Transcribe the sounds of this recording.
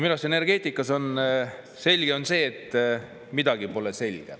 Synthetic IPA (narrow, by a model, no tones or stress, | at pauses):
milɑsene̞rɡ̥e̞ːt̪ˑikːˑɑso̞n | se̞lʲɡ̥e̞o̞nse̞ːt̪ | mid̪ɑɡ̥ipo̞lese̞lʲɡ̥ḛ